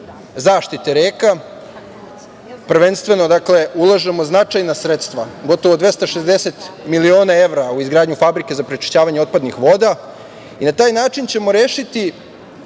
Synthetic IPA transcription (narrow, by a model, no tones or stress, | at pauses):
zaːʃt̪it̪eɾeːka | pr̩ʋe̞nst̪ʋe̞no̞d̪akle̞ulˠaʒemo̞znat͡ʃajnasɾet̪st̪ʋaɡo̞t̪o̞ʋod̪ʋe̞st̪aʃezd̪ese̞t̪milio̞ːnae̞ʋɾauizɡɾaːd̪ɲufabɾike̞zapɾet͡ʃi̥ʃt͡ɕaːʋaɲeo̞t̪pad̪nixʋo̞ːd̪a | inat̪aːjnaːt͡ʃint͡ɕe̞mo̞ɾe̞ːʃit̪i